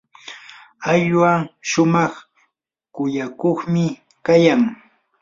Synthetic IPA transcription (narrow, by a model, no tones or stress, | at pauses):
aʎwaʃʊmɑχ | kʊjakoχmɪ | kajaŋ